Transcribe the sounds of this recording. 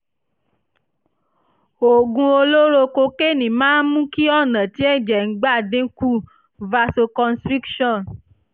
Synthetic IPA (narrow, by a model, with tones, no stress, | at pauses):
o˨ɡũ˧o˧lo˦ɾo˧ko˧ke˦nĩ˨mãː˦mũ˦ki˦ɔ˦˨nɛ̃˨t̪i˦ɛ˦d͡ʒɛ˨ŋ̩˨ɡ͡ba˦˨dẽ˦ku˦ | va˧so˧kɔ˧nst̪ɾi˦kʃɔ˦˨n